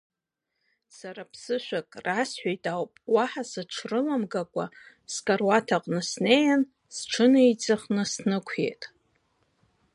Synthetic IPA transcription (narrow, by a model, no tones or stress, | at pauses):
saɾapʰsɨʃʷᶣakʼrasħʷᶣajtʼawpʼwaħasɨʈ͡ʂʰrɨlamɡakʷʼa̰ | skʼarwatʰaqʼnɨsnejan | sʈ͡ʂʰɨnɨjt͡sʼɨχnɨsnɨkʷʰḛjtʼ